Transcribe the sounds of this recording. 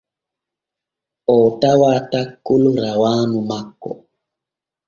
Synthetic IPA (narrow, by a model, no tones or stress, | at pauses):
ɔtawatakːuluɾawaːnumakːɔ̰